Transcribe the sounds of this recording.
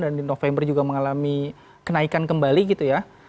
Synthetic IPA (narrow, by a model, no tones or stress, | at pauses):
dandinofembərd͡ʒuɡaməŋalami | kənaikankəmbaliɡit̪uja